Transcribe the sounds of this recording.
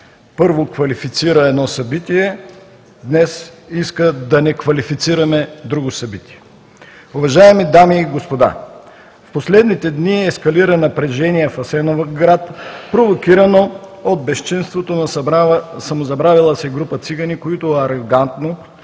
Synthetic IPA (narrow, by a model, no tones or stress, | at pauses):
pɤɾvokvɐlifit̪siɾəɛd̪nɔsɐbit̪iɛ | d̪nɛsiskəd̪ɐnɛkvɐlifit̪siɾɐmɛd̪ɾuɡosɐbit̪iɛ | uvɐʒaɛmid̪amiːɡospod̪a̰ | fposlɛd̪nit̪ɛd̪niɛskɐliɾənɐpɾɛʒɛnijɛfɐsɛnovɐɡɾat̪pɾovokiɾɐnood̪̚bɛʃt͡ʃinst̪vot̪onɐssɐmozɐbɾavilˠəsɛɡɾupət̪siɡɐnikoit̪oɐɾoɡant̪no